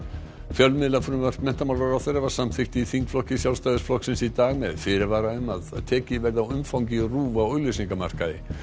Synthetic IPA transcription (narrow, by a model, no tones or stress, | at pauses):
fjœlmɪðlafɾʏmvar̥t̪mɛn̥t̪amawlɾaɾaθœɾɛvḁsamθɪht̪ɪiθiŋkflɔhcɪsjawlst̪ajðʏsflɔksɪnsit̪aːɣmɛðfɪːɾɪɾvaːɾaʏmaðt̪ʰɛːcɪvɛɾðaʏmfawŋcɪruːvaoːɥlœɥsiŋkama̰r̥kaɪ